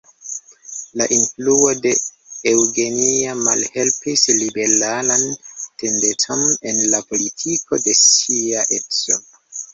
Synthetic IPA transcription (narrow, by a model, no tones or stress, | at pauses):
laʔinfluo̞de̞ewɡe̞niamalhe̞lpislibe̞ɾalante̞ndetʰone̞nlapo̞litʰikʰo̞de̞siaʔe̞kso